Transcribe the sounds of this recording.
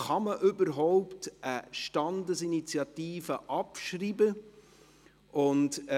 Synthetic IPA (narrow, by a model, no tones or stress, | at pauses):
χɑməʔʏbəɾɦɔʊptʔəʃtɑndəsinit͡sjɑtiːfəʔɑpʃriːbə | ʔʊnt